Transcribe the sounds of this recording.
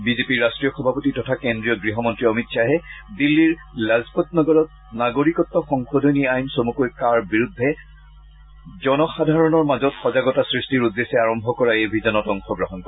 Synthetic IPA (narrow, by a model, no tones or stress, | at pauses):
bizepiɹːastɹijɔxɔbʱapotitɔtʰakendɹijɔɡɹiɦɔmɔntɹiɔmitsʰaɦɛdilːiɹlazpɔtnɔɡɔɹɔt̚ | naɡoɹikɔtːɔxɔŋxodʱoniajnsomukojkaɹbiɹudʱːɛ | zɔnɔxadʱaɹɔnɔɹmazɔtxɔzaɡɔtasɹistiɹud̪ːesɛaɹɔmbʱɔkɔɹaejbʱizɔnɔtɔŋxɔɡɹɔɦɔnkɔ